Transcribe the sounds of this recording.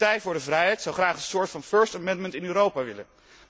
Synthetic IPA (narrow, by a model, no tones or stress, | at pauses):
tɛjvʊːɹdəvrɛjɦɛjtsɑwχraːχənsʊːɹtfɑnføːɹstamɛndməntɪnyːɾowpaʋɪ̰lə̰n